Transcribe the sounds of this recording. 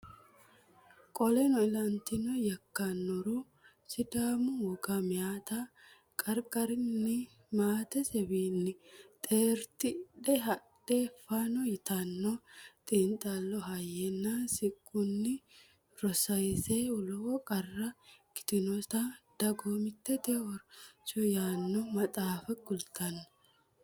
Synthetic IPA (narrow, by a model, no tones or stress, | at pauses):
kʼɔlɛnɔɪlɐnt̪ɪnɔjɐkːɐnːɔɾu | sɪd̪aːmʊwɔɡɐmɪjaːt̪ɐ | kʼɐɾkʼɐɾɪnnːɪ | maːt̪ɛsɛbiːnːɪt̪ʼeːɾt̪ɪɗɛɦɐɗefanɔjɪt̪ɐnːɔt̪ʼiːnt̪ʼalːɔɦɐjɛnːasɪkʼːʊnːɪ | ɾɔsɐjseːʊlɔɔkʼɐrːɐkɪ̥t̪ɪnɔt̪ad̪̥ɐɡoːmɪt̪ːɛt̪ɛɔɾt͡ʃɔjaːnːɔmɐt̪ʼaːfɐɡʼʊlt̪ɐnːɐ